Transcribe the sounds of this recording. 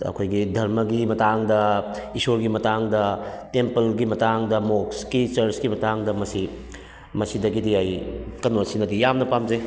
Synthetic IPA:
ɐ̰kʰojɡidʱɐɾmɐɡimɐtaŋdɐ | isoɾɡimɐtaŋdɐtempɐlɡimɐtaŋdɐmokskit͡ʃɐɾsɡimɐtaŋdɐmɐsi | mɐsidɐɡidiajkɐnosinɐdijamnɐpamze

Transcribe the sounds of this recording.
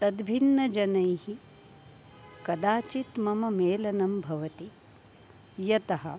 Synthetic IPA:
t̪ɐd̪bʱinːɐd͡ʒɐnɐjhi | kɐd̪aːt͡ʃit̪mɐmɐmeːlɐnɐmbʱɐʋɐt̪i | jɐt̪ɐɦɐ̰̆

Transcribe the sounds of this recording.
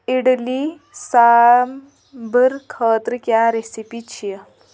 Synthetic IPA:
iɽli | sam | bəɾkʰəːt̪ɾəkjaɾesipit͡ɕʰijə

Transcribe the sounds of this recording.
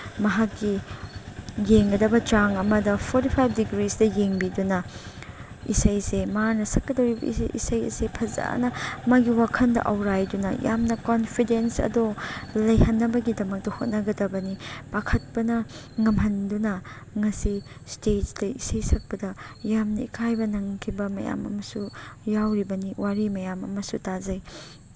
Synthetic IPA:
mɐɦakːi | jeŋɡɐdɐbɐt͡ʃaŋɐmɐdɐpʰoɾtipʰajp̚ʰdiɡɾisdɐjeŋbidunɐ | isɐjsemanɐsɐkːɐdɐɾib̰ḭsɐjɐ̰sepʰɐza̰nɐmaɡiwakʰɐndɐ̰ʔɐwɾajdunɐ̰ja̰mnɐkonpʰidensɐ̰dolɐjhɐnːɐbɐɡidɐmɐk̚tɐhot̚nɐɡɐdɐbɐnib̥akʰɐt̚pɐnɐ | ŋɐmɦɐndunɐ | ŋɐsistet̚dɐisɐjsʰɐk̚pɐdɐjamnɐikʰajbɐnɐŋkʰibɐmɐ̰ja̰mɐ̰mɐsujawɾibɐniwaɾimɐjamɐ̰mɐsutazɐj

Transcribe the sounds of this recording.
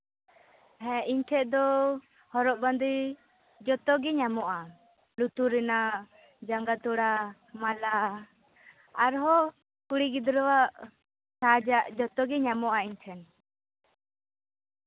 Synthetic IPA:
ɦɛ̃iɲtʰɛt̪̚ˀd̪ɔ | hɔɾɔʔband̪uj | d͡ʒɔt̪ɔɡɛɲamɔʔa | lut̪uɾɛna | d͡ʒaŋɡat̪uɽa | mala | aɾɦɔ | kuɽiɡid̪ɾɔwaʔ | sad͡ʒaʔd͡ʒɔt̪ɔɡɛɲamɔʔaiɲt͡ʃʰɛn

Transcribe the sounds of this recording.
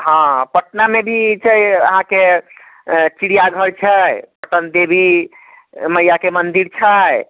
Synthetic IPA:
ɦãpəʈnamebʱit͡ʃʰəjə̰ɦãke | t͡ʃiɽijaɡʱəɾt͡ʃʰəjpəʈənd̪ebʱi | məjakemənd̪iɾt͡ʃʰəj

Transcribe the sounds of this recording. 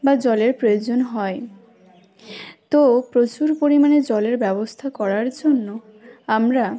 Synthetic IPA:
bad͡ʑɔleɾpɾojod͡ʑonɦɔe | t̪opɾot͡ɕuɾpoɾimaned͡ʑɔleɾbɛbost̪ʰakɔɾaɾd͡ʑonːo | amɾa

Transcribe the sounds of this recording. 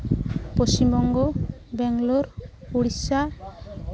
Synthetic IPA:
post͡ɕimbɔŋɡobɛŋloɾpuɽisa

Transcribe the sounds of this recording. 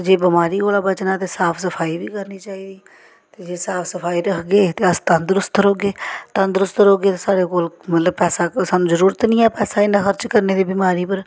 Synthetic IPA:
d͡ʒeːbɪmaːɾiːkoːlaːbət͡ʃnãːt̪eːsaːpʰsəpʰaːiːbiːkəɾniːt͡ʃaːiːd̪iː | t̪eːd͡ʒeːsaːpʰsəpʰaːiːɾəkʰɡeːt̪eːəst̪ə̃nd̪ɾʊst̪ɾoːɡeːt̪ə̃nd̪ɾʊst̪ɾoːɡeːt̪esaːɽeːkoːlmət̪ləbpɛːsaːsaːnũzəɾuːɾət̪nĩːɛːpɛːsaːɪnãːxəɾt͡ʃkəɾneːd̪iːbimaːɾiːpəɾ

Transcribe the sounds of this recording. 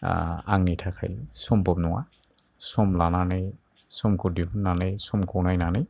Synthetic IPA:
a̰ŋnitʰakʰa̰jsɔmbɔbnɔwa̰ | sɔmlananaj | sɔmkɔdipʰunːanajsɔmkʰɔwnajnanaj

